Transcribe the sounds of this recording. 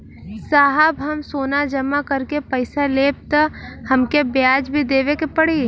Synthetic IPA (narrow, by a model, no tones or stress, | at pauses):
saːɦəbɦɐmsoːnad͡ʒəmːakɐɾkepəɪsaleːb̚t̪hɐmkebjaːd͡ʒbʱid̪eːʋekepəɽiː